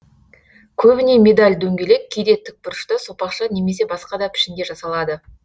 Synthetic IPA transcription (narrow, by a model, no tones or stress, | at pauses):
kʲʰɵbɪne̞mʲe̞d̪alʲd̪ɵŋɡʲe̞le̞k̚ʲʰːejd̪e̞t̪ːɪk̚bʊɾʃt̪əsopɑqʃɑne̞me̞se̞bɑsqɑd̪ɑpʰɪ̥ʃɪŋɡʲeʒɑsɑlˠɑd̪ə